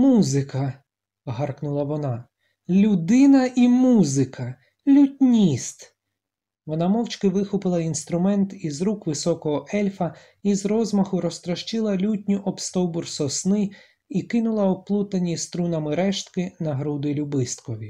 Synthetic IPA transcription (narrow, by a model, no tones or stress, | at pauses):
muzɪkɐ | ɦɑrknʊlˠɐʋɔnɑ | lʲud̪ɪnɐʔimuzɪkɐ | lʲutʲnʲist̪ | ʋɔnɑmɔwt͡ʃkɪʋɪxʊpɪlˠɐinst̪ɾʊmɛnt̪izɾukʋɪsɔkɔɦɔʔɛlʲfɐ | izɾɔzmɐxʊɾɔst̪ɾɐʃt͡ʃɪlˠɐlʲutʲnʲiʔɔpst̪ɔwbʊrsɔsnɪ | ikɪnʊlˠɐɔplˠut̪ɐnʲist̪ɾunɐmɪɾɛʃt̪kɪnɐɦɾud̪ɪlʲubɪst̪kɔʋʲi